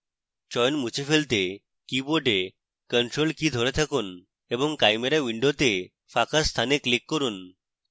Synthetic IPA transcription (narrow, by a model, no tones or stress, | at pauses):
t͡ʃɔjnmut͡ɕefʰelt̪e | kiboɖe | kəɳʈɾolkid̪ʱoɾet̪ʰakun | ebɔŋkajmeɾaʋiɳɖot̪e | fʰakast̪ʰaneklikːɔɾun